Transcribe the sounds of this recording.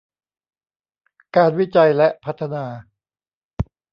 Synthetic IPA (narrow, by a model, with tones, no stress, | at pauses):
kaː˧nwi˦˥t͡ɕa˧jlɛ˦˥ʔpʰa˦˥t̪ʰːa˧naː˧